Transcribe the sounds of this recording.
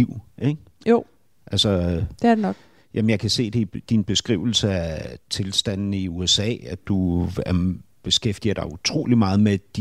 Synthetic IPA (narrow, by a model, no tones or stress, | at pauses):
iʊ̰eɡ̥ | jo | ʔælsɒd̥eɐdenɒ̽ɡ̥ | jʔæmənjɑ̈ɪkʰæse̝̰ːd̥e̝id̥inb̥e̝sɡ̥ʁiʊ̰l̩səæt͡sʰe̝lsd̥æn̰n̩iuesɛ̰ːæd̥uæ | b̥e̝sɡ̥efd̥ḭːɐɾ̥ɑ̈ɪut͡sʰʁo̝̰ːlimɑ̈ːð̞̩ˠmed̥i